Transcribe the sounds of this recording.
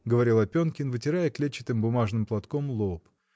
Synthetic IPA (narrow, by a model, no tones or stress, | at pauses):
ɡəvɐɾʲilˠɐpʲonkʲɪnvɨtʲɪɾajəklʲet͡ɕːɪt̪ɨmbʊmaʐnɨmplˠɐt̪komlˠop